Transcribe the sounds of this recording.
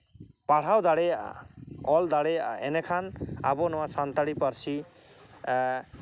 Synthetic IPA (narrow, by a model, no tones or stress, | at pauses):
paɽ̤awd̪aɽe | ɔld̪aɽeenekʰana̰bɔnɔwasant̪aɽipɔɾsʰi